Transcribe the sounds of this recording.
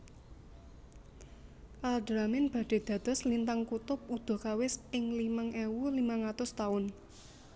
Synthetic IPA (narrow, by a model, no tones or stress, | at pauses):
kalɖɾamɪnb̥a̤ɖ̥e̤d̪̥ä̤d̪̥ɔ̤slint̪aŋkut̪ʊp̚ud̪̥ɔ̤kawɪsɪŋlimaŋʔewulimaŋat̪ʊst̪aʊn